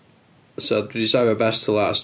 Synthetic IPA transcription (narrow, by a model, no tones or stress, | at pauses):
sɛddɪzaɪəbɛstʰəlas